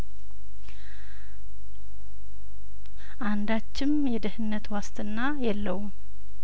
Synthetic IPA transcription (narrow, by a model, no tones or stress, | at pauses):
ʔand̪at͡ʃːɪmjɛd̪əhɨnːət̪wast̪ʰɨnːajɛlːəwm